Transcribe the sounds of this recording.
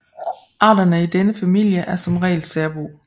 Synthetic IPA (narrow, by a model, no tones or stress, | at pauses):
ʔɑ̰̈ːdɐnəid̥enəfæmil̰jəʔæɐsɒ̽mʁɛ̰ːɪlsæɐb̥uː